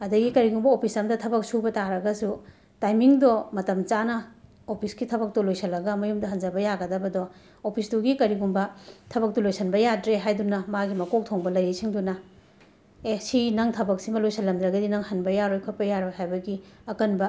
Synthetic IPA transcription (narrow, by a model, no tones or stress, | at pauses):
ɐdɐɡikɐɾiɡumbɐopʰisɐmdɐtʰɐbɐk̚subɐtaɾɐɡɐsu | tajmiŋdɔmɐtɐmt͡ʃanɐ | opʰiskitʰɐbɐk̚tulojsʰɐlːɐɡɐmɐjumdɐɦɐnd͡ʒɐbɐjaɡɐdɐbɐdɔ | opʰisduɡikɐɾiɡumbɐtʰɐbɐk̚tulojsɐnbɐjadɾeɦajdunɐmaɡimɐkok̚tʰoŋbɐlɐjejsʰiŋdunɐ | esinɐŋtʰɐbɐk̚simɐlojsʰɐlːɐmd̪ɾɐɡɐdinɐŋhɐnbɐjaɾojkʰɐt̚pɐjaɾoɦajbɐɡiɐkɐnbɐ